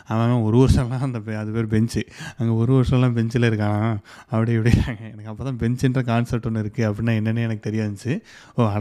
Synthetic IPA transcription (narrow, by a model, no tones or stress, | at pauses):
aːnãːãːɔɾɯʋɐɾʂɐ̃mlːãːɐnd̪ɐpeɐðɯpeːɾbɛɲt͡ʃɯɐŋɡeːɔɾɯʋɐɾɯʂɐ̃lːãːbɛɲt͡ʃɪlɐɪɾɯk̬ːaːŋã | ɐpːɐɽiɛpɐɽɪjɾaːŋɡɐɛnɐkːɐpːoːt̪ãːbɛɲt͡ʃɛndrɐkaːnsɐlʈːɔnːɯɪɾɯkːɯɐpːɐɽɪnːaːɛnːɐnːɯɛnɐkːɯt̪ɛɾɪjɐʋɐɲt͡ʃːɯ | oːɐɽ